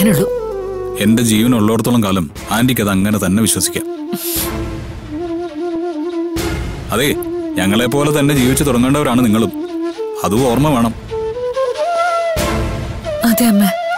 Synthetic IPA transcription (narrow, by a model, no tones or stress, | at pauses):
nuɭːu | e̞nde̞d͡ʑiːʋɐnuɭːo̞ːɽt̪ːuɭːɐmkaːlɐm | aːndikʲːɐðɐŋːɐne̞t̪ɐnːe̞ʋiɕwɐsi̥kʲːa | ɐðeɲɐŋːɐɭe̞pːo̞ːlet̪ɐnːe̞d͡ʑiːʋit͡ɕːɨt̪urɐŋːeːɳɖɐoɾaːɳɨniŋːɐɭumɐðuo̞ːrmɐʋe̞ːɳɐm | ɐd̪eɐmːe